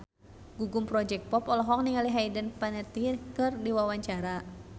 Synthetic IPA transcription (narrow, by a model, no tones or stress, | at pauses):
ɡuɡumpɾɔd͡ʒɛk̚pɔpɔlɔɦɔk̚niŋaliɦaidənpanət̪ikɨrdiwawaɲt͡ʃaɾa